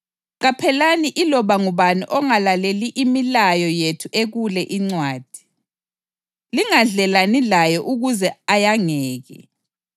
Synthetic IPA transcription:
ɣapʰɛlaniʔilɔβaŋuβaniʔɔŋalaleliʔimilajɔjetʰuʔeɣulɛʔiŋ͡ǀwaːd̥ʱi̥ | liŋaɮɛlanilajɔʔuɣuzɛajaŋɛːɣɛ̰

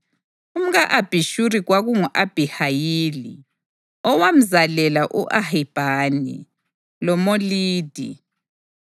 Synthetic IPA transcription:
um̩ɣaʔab̥ʱiʃuɾiɣwaɣuŋuʔab̥ʱihajiːlḭ | ɔwam̩zalɛlaʔuʔahib̥ʱanḭ | lɔmoliːd̥ʱḭ

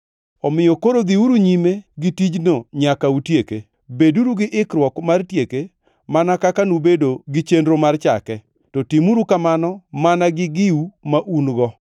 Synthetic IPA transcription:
ɔmɪjɔkoɾod̪iuɾuɲimeɡɪtid͡ʒnoɲakautjeke | beduɾuɡɪʔɪkɾwɔkmartjeke | manakakanubedoɡɪt͡ʃendɾomart͡ʃa̰kɛ | tɔtimuɾukamanɔmanaɡɪɡɪumaʔunɡɔ

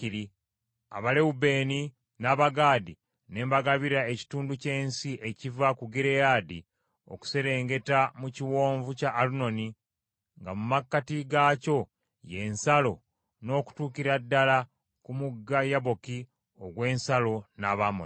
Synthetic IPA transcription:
iɾi | a̰βaleube̞ːni | naːβaɡaːdi | ne̞ːmbaɡaβiɾaeci̥tuːnduce̞ːnsiʔecivakuɡiɾe̞jadi | o̞̰ku̥se̞ɾe̞ːŋɡe̞tamuciwo̞ːɱvucaʔːluno̞ni | ŋɡamumakːatiɡaːco̞ | je̞nsalo̞ | no̞ːku̥tuːkiɾadːala | kumuɡːajaβo̞ki | o̞ɡwe̞ːnsalo̞naβamo

